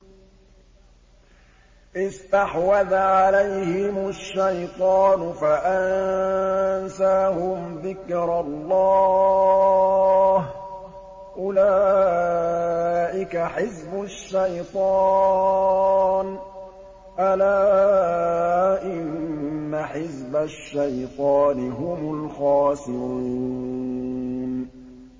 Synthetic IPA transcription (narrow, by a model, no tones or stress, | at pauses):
ʔɪst̪aħwaðʕalajhɪmʊʃːajt̪ˤɑːnʊfaʔann | saːhʊmðɪkɾɑlˤːɑː | h | ʔʊlaː | ʔɪkaħɪzbʊʃːajt̪ˤɑ | n | ʔalaː | ʔɪnnːaħɪzbaʃːajt̪ˤɑːnɪɦʊmʊlxɑːsɪɾuuː | n